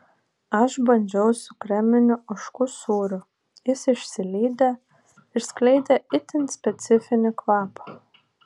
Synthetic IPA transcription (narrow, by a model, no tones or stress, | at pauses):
ɐʃbɐnʲd͡ʒʲɛʊsʊkɾʲɛmʲɪnʲʊɐʃkʊsuːɾʊ | jɪsɪʃʲsʲɪlʲiːd̪ɐ | ɪɾsklʲɛɪd̪ʲɛɪt̪ʲɪnsʲpʲɛt̪sʲɪfʲɪnʲɪklɑːpɐ̥